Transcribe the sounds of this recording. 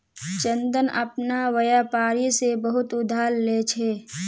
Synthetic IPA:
t͡ʃə̃nd̪ənə̰pnaʋəjapaːɾisebəɦʊt̪ʊd̪ʱaːlːeːt͡ʃʰeː

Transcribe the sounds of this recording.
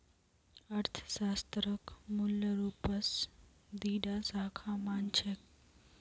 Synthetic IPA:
əɾt̪ʰə̥saːst̪ɾəkmuljəɾuːpəs | d̪iːɖasaːkʰamaːnt͡ʃʰek

